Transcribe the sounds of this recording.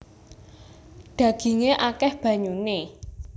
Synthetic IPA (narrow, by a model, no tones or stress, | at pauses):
ɖ̪̥ä̤ɡ̥i̤ŋeʔakɛhb̥ä̤ɲune